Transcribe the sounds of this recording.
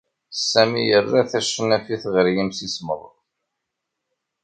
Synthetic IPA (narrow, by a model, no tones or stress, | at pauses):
sːæmijərːæθæʃːənæfiθʁɾjimsisməðˤə̰ð